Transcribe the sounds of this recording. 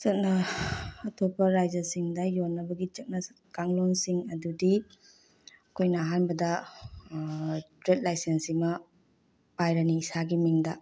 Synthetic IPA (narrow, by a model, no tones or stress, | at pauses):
sɐt̚nɐː | tʰopːɐɾajd͡ʒɐsiŋdɐjonːɐbɐɡit͡ʃɐk̚nɐ | kaŋlonsiŋɐdudi | ɐkʰojnɐɦanbɐdɐ | tɾet̚lajsensimɐ | pajɾɐniːsaɡimiŋdɐ